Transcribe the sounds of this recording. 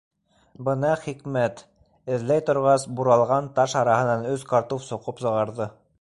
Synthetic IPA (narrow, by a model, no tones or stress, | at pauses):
bɤnɑχikmæt̪ | ɘ̆ðlæjt̪ŏɾʁɑsbuɾɑlˠʁɑnt̪ɑʃɑɾɑhɤ̆nɑnɵzkɑɾt̪ufsŏqɤpsɤ̆ʁɑɾðɤ